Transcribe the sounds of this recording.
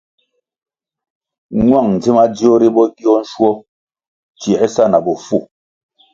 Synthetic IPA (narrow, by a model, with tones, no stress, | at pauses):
ɲwa˦˨ŋn̩˨d͡zi˦ma˦d͡zi˦ɔ˦ɾi˦bɔ˦ɡi˦ɔ˦n̩˦ʃwɔ˦ | t͡ʃi˨ɛ˦sa˦˨na˨bɔ˨fu˦˨